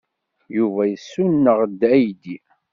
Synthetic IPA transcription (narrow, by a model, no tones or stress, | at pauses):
juvæjəsːunːəʁd̪æjd̪i